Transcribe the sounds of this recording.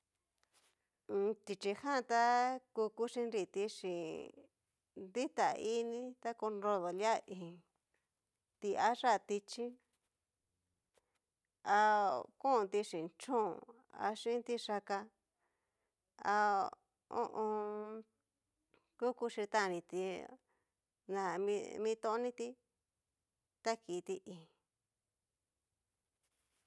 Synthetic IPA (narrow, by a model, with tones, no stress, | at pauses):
t̪i˧t͡ʃi˧hã˦˧t̪a˦ku˧ku˦ʂĩ˧nɾi˧˨t̪i˧ʂĩ˨ | nd̪i˦t̪a˨˧ʔi˦nĩ˦t̪a˦ku˧nɾo˧ðo˨lja˦ʔĩ˨ | t̪i˧a˦ʐa˦˨t̪i˧t͡ʃĩ˦ | a˧kũ˦˧t̪i˧ʂĩ˨nt͡ʃũ˦˨ | a̰˧ʂĩ˦nt̪i˧ʂa˧ka˧ | a̰˧ | õ̰˦˧ʔõ˧ | ku˦ku˧ʃi˧t̪ã˦˧nĩ˧t̪i˧ | nã˨ĩ˧mĩː˧t̪õ˧˦nĩ˦t̪i˧ | t̪a˦ki˨˧t̪i˧ʔĩ˨